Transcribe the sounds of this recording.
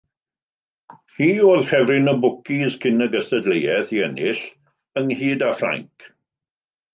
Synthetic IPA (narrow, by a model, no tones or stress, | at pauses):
hiːoːlhɛvrɪnɔbʊkʰiskʰɪnəɡəstədlejɛθiɛnɪɬ | əŋhiːdafra̰ŋkʰ